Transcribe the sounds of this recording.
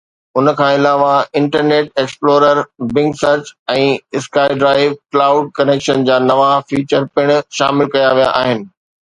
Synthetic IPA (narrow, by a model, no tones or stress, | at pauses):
ʊnəkʰãːɪlaːʋaɪ̃ɳʈəɾneːʈeːksploːɾəɾbɪ̃ŋɡsəɾt͡ɕɛ̃ːɪskaːɪɖɾaːɪʋklaːʊɖ̚kɐneːkʃənd͡ʑaːnɐʋafiːt͡ɕəɾpɪɽ̃ʃa̰ːmɪlkɐjaʋija̰ʔaːɦɪnɪ̆